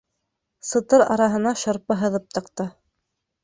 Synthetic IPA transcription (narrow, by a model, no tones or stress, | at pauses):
sɤ̆t̪ɤɾɑ̰ɾɑɦɤ̆nɑʃŏɾpɤɦɤ̆ðɤp̚t̪ɑ̆qt̪ɤ